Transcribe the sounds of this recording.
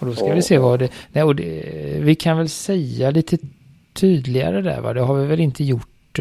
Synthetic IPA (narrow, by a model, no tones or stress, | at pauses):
ɔd̪ɔskavɪseːvad̪ɛnɛɪɔd̪ɛvɪkʰanvɛlsɛjːaliːt̪ʰə | t̪ʰyːd̪lɪɡa̰ɾəd̪æ̰ɾva̰d̪ɛɦaɾvɪvɛlɪnt̪ʰəjʊʈː